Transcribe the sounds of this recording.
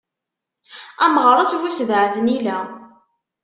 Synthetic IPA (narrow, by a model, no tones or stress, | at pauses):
æmʁɾˤɑt͡swusvʕθənilæ